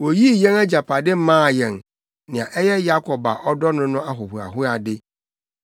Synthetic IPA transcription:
wo˨ji˦˨jɛ̃˦na˦d͡ʑa˨pʰa˨dɪ˦m̩˦mãː˦˨jɛ̃˨n | nɪ̃˨ã˨ʔɛ˦jɛ˦ja˦kʰɔ˨ba̰˨ʔɔ˦dɔ˦nʊ̃˦nʊ̃˦a˦ɦʊ˨hʊ˨a̰˨ɦʊ˦a˨dɪ˦

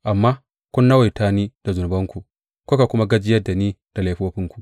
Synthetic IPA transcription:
ʔa˨mːa˦ | kʷu˦nːa˦wa˨ta˦ni˦d̥a˨zu˨n˨bɐ˦ŋku˨ | kʷo˦ka˨kʊ˦ma˦ɡɐ˦d͡ʒi˦jɐ˦dːa˨ni˦d̥a˨leː˨˦ɸoː˦ɸɪ˦ŋku̥˨

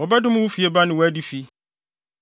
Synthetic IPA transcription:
ɔ˨ba˦dɪ̃˦mʊ̃˦wʊ˦fi˨ɛ˦ba˦nɪ̃˨wɔ˨æ˦di˦fi˦

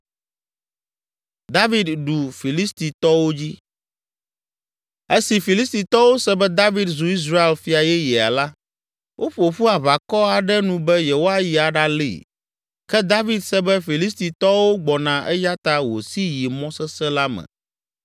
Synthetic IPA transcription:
d̪a˦vi˦d̪ɖu˨fi˨li˦st̪i˨t̪ɔ˦wo˦d͡ʑi˦ | e˦si˨fi˨li˦st̪i˨t̪ɔ˦wo˦sɛ˦bɛ˦d̪a˦vi˦d̪zu˨i˦s̬ɾa˦e˨lfi˦a˨jɛ˦jɛ˨a̰˨la˦ | wʔo˦ɸo˨ɸu˦a˨βa˨kɔ˦a˨ɖɛ˦nũ˨bɛ˦jɛ˨wo˦a˨ji˨a˨ɖa˦lḭ˦˨ | kɛ˦d̪a˦vi˨d̪sɛ˦bɛ˦fi˨li˦st̪i˨t̪ɔ˦wo˦ɡ͡bɔ˨nã˨ʔɛ˦ja˦t̪a˦wo̰˨si˦ji˨mɔ̃˦sɛ˦sɛ˦la˦mɛ̰̃˨

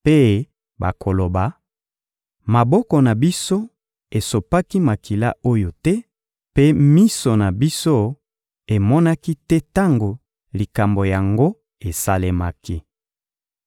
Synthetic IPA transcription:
pe˦ | ba̰˨kʰo˨lo˨ba˨ | ma˨bɔ˦kɔ˨na˨bi˦so˦ | e˨so˨pa˦ki˦ma˨ki˨la̰˦o˦jo˨tɛ˦ | pe˦mi˦so˨na˨bi˦so˦ | e˨mɔ˦na˦ki˦tɛ˦ta˦ŋɡo˨ | li˨ka˨mbo˨ja˨ŋɡo˦ | e˨sa˦le˦ma˦ki˦

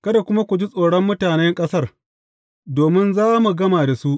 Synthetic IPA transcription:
kɐ˦da˨kʷʊ˦ma˦kʷu˨d͡ʒi˦sʼoː˨ɽɔ˦mːʊ˦taː˨nɛ˦ŋkʼɐ˦sɐ˦r | doː˨mɪ˦nzaː˦mu˨ɡɐ˦maː˨da˨su˦ʔ

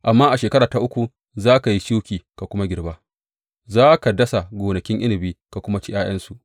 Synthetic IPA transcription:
ʔa˨mːaː˦ʔa˨ʃeː˨kɐ˦ɾaː˨ta˨ʔʊ˦kʷu˨ | zaː˦ka˨ji˦ʃu˦kʲiː˨ka˨kʷʊ˦ma˦ɡʲɪ˨rbaː˦ | zaː˦ka˨dɐ˦sa˨ɡʷoː˨nɐ˨kʲɪ˦ŋʔɪ˦nɪ˨biː˦ka˨kʷʊ˦ma˦t͡ʃɪ˦ʔaː˦jɐ˦nsu˨ʔ

